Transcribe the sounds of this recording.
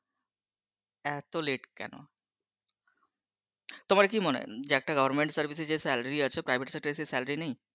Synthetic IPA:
ɛt̪oleʈkɛ̰no̰ | t̪omaɾekiːmənḛd͡ʑɛk̚ʈaɡəʋəɾmeɳʈsəɾʋised͡ʑesæləɾiət͡ʃʰepɾajbʱeʈsɛk̚ʈəɾisesɛləɾinaɦĩ

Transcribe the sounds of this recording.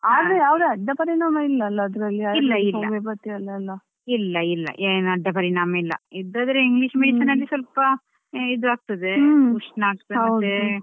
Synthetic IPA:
aːd̪ejaːʋd̪eɐɖːɐpɐɾiɳaːmɐilːɐlːɐd̪ɾɐlːiaːilːɐilːɐːɐmepɐt̪ːiɐlːɐlːɐ | ilːɐilːɐ̰ʔenɐɖːɐpɐɾiɳaːmɐilːɐ̰id̪ːaːd̪ɾeiŋɡliʂmeʃɐnɐlːisɐlpɐ | id̪uaːɡ̚t̪ɐd̪euʂnɐaːɡ̚t̪ɐɐe

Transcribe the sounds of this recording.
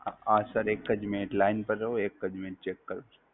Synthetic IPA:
aːsɐɾeːkːɐd͡ʒmeːʈlaːɪnpɐɾːɐɦoeːkːɐd͡ʒmeːʈ̚t͡ʃeːkːɐɾoɾ

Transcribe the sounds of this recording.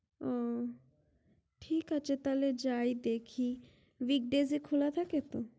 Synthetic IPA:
ɔ | ʈʰikat͡ɕʰet̪aled͡ʑajd̪ekʰi | wik̚ɖezikʰulat̪ʰaket̪o

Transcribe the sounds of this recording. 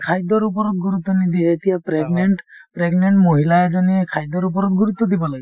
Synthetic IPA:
kʰajd̪ɔɾupɔɾɔt̪̚ɡuɾut̪ːɔnid̪iet̪ijapɾeɡneɳʈpɾeɡneɳʈmoɦilaed͡ʒɔniekʰajd̪ɔɾupɔɾɔt̪̚ɡuɾut̪ːɔd̪ibɔlaɡi

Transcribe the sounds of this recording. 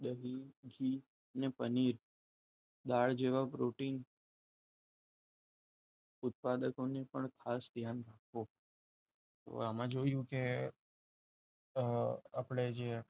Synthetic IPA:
d̪əɦiɡʱi | nepəniɾ | d̪aɭd͡ʒeʋapɾoʈin | ʊt̪̚pad̪əkonepəɳkʰasd̪ʱjanɾakʰʋo | t̪o̰amãd͡ʒoijũke | apɭed͡ʒe

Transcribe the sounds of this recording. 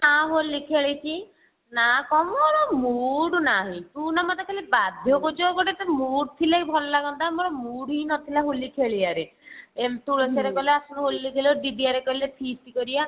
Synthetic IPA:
aɦolːikʰaɭit͡ʃʰi | nakɔmɔɾɔmuɽnaɦĩt̪unamɔt̪akʰalibad̪ʱjɔkod͡ʒɔkɔʈet̪emuɽt̪ʰilaɦibʱɔlɔlaɡɔnt̪amɔɾɔmuɽɦinɔt̪ʰilaɦolikʰɭiaɾeemt̪uɭɔt͡ʃaɾekɔleasunɔɦolːikʰileɖiɖiaɾekɔɾilepʰistikɔɾia

